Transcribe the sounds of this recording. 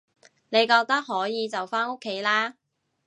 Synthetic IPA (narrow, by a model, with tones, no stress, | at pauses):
ne˨˧jkɔː˧k̚t̪ɐ˥k̚ɦɔː˨˥jiː˨˧t͡sɐ˨wfaː˥no˥kʰːe˨˥jlaː˥